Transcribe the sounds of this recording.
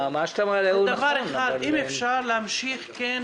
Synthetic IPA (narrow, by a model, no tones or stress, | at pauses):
maʃt̪amaleud̪avaʁeχad̪imefʃaʁleamʃiχken